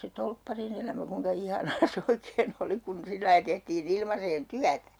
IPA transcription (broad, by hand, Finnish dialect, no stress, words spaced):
se tolpːɑrin elæmæ kuiŋkɑ ihɑnɑː se oikeːn oli kun silːɑi tehtiːn ilmɑseːn tyætæ̥